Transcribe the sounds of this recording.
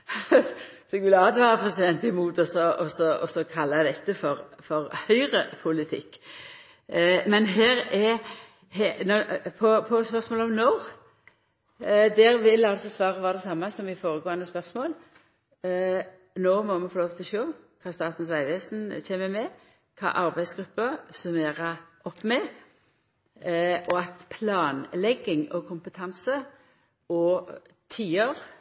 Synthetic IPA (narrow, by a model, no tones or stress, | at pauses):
sɔɛɡʋɪlɑːd̪əʋæːɾəpʰɾɛsɪd̪ɛnt̪ɪmuːt̪ɔsɔɔsɔɔsɔkʰɑlːɑd̪ɛt̪ːəfɔɾfɔɾhœʏɾəpʰʊlɪt̪ʰɪ̰kː | mɛnɦeːɾɛ | hɛnɔpʰɔpʰɔspœʁsmoːlɔmnoː | d̪ɛɾʋɪlɑlsɔsʋɑːɾəʋɑːɾd̪ɛsɑmːɑsɔmʋɪfoːɾəɡoːɑnd̪əspœʁsmoːl | noːmɔmɛfoːloːʋt̪ʰɪlɔʃøːkʰɑːst̪ɑːt̪n̩sʋæɪʋeːsn̩çɛːməmɛ | kʰɑ̰ːʔɑɾbæɪsɡɾʉpːəsɔmeːʁəʔɔpːmɛ | ʔɔɑt̪pʰlɑːnlɛɡːɪŋɔkʰʊmpət̪ʰɑnsə | ɔː | t̪ʰiːoʁ